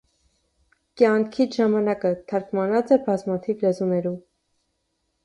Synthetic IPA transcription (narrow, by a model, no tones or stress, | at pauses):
kjɑŋkʰiʒɑmɑnɑkət̪ʰɑɾkmɑnɑt͡sɛbɑzmɑt̪ʰivlɛzunɛɾum